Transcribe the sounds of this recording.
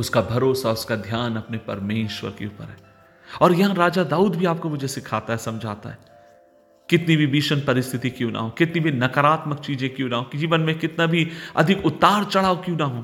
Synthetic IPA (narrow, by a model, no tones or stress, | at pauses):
ʊskabʱɐɾoːsaʊskad̪ʱjaːnɐpnepɐ̰ɾmeːʃwə̰ɾkḛuːpə̰ɾɦɛː | ɔːɾjɐɦãɾaːd͡ʒad̪aːuːd̪bʱiaːp̚komʊd͡ʒʱesɪkʰaːt̪aɦɛsɐmd͡ʒʱaːt̪a̰ɦɛː | kɪt̪nibʱibiːʃənpɐɾɪst̪ʰɪt̪ikjũːnʔa̰ɦõkɪt̪nibʱinɐkəɾaːt̪mək̚t͡ʃiːzẽkjũːnaɦõːkid͡ʒiːʋənmẽkɪt̪nabʱiɐ̰d̪ʱɪkʊt̪ːaːɾt͡ʃɐɽ̤aːokjũːnaɦũː